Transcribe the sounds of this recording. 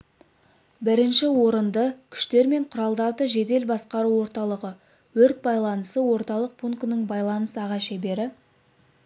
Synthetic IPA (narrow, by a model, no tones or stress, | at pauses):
bɪɾɪnʃɪwo̞ɾənd̪əkʲʰʏ̥ʃt̪e̞ɾme̞ɴqʰʊɾɑlˠd̪ɑɾd̪əʒe̞d̪e̞lbɑsqɑɾuwo̞ɾt̪ɑlˠəʁə | wɵɾt̪̚bɑjlˠɑnəsəwo̞ɾt̪ɑlˠəq̚pʰuŋknəɴbɑjlˠɑnəsəɑʁɑʃebe̞ɾɪ